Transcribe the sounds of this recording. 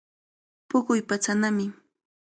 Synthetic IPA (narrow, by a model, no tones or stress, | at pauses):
pʊkʊjpat͡sanamɪ